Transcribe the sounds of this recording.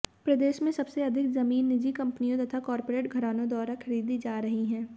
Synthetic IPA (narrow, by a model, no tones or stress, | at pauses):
pɾɐd̪eːʃmẽsɐbseɐd̪ʱɪkzɐmiːnːɪd͡ʒikɐ̃mpnijõt̪ɐt̪ʰakɔːɾpoɾeːʈɡʱɐɾaːnõd̪ɔːɾakʰɐɾiːd̪id͡ʒaːɾɐɦiɦɛ̃ː